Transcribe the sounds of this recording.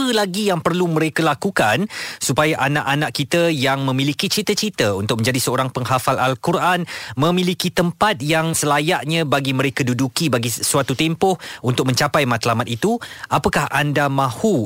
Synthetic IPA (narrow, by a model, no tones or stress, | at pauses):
əlaɡijaŋpərlumə̃ɾekəlakukansupajaʔanaʔanaʔkit̪əjaŋmə̃milikit͡ʃɾit̪ət͡ʃɾit̪əunt̪ʊk̚mə̃ɲd͡ʒadisəoɾaŋpəŋɦafala̰lkuɾʔanmə̃mĩlikit̪əmpat̪̚jaŋsəlajaʔɲãbaɡimə̃ɾekədudukibaɡisuat̪ut̪empʊhunt̪ʊk̚mə̃ɲt͡ʃapajmat̪lamat̪̚it̪uʔapəkahʔandamãhu